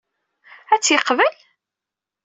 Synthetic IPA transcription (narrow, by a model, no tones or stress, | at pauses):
æt͡sːjəqːvəl